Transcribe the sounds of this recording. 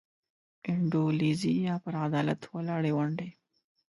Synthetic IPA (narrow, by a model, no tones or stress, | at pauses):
ɪɳɖolizijapəɾad̪ɑla̰t̪walaɽewaɳɖe